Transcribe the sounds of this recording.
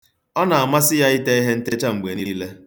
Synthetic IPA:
ɔ˦na˨a˨ma˦sɪ˦ja˦ɪ˦te˦i˦ɦe˦n̩˦te˦t͡ʃa˦ŋ͡m̩˨ɡ͡be˨ni˦le˦

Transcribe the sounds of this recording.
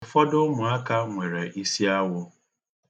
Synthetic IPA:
fɔ˦dʊ˦mʊ˨a˦ka˦ŋʷe˨ɾe˨ʔi˦si˦a˦wʊ˦

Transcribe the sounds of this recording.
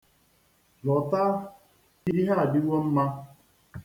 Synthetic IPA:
lɔ˨ta˦ | di˦ɾi˦ɦa˦a˨dɪ˦wo˦m̩˦ma˦

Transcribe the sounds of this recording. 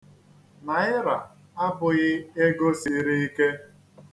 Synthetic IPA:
na˨ɪ˦ɾa˨ | a˦bʊ˨ɣɪ˦e˦ɡo˦si˨˦ɾi˦i˦ke˦

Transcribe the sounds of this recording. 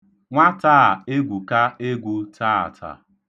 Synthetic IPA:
ŋʷa˦taː˦˨e˦ɡʷu˨ka˦e˦ɡʷu˦tʰa˦˨a̰˨tʰa̰˨

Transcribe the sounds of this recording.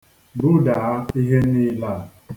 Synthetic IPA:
bʊ˦da˨a˦i˦ɦe˦ni˦la˦˨

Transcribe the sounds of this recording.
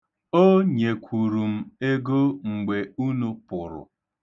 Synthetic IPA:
o˦ɲe˨kʷʰu˨ɾu˨m̩˦e˦ɡo˦ŋ͡m̩˨ɡ͡be˨u˦nu˦pʊ˨ɾʊ̰˨

